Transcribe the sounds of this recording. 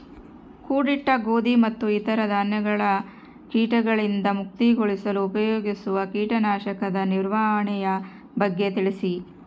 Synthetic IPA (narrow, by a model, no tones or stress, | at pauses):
kuːɽiʈːɐɡoːd̪imɐt̪ːuit̪ɐɾɐd̪ʱaːnjɐɡɐɭɐ | kiːʈɐɡɐɭind̪ɐmuk̚t̪iɡoɭisɐluːpɐjoːɡisuʋɐkiːʈɐnaːʃɐkɐd̪ɐniɾʋaːɦɐɳɛjɐ | bɐɡːe̞t̪iɭisi